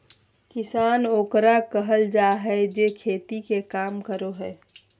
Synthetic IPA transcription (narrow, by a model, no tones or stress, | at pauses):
kɪsaːnoːkɾakəɦəld͡ʒaɦɛd͡ʒekʰeːt̪ikekaːmkəɾoɦɛː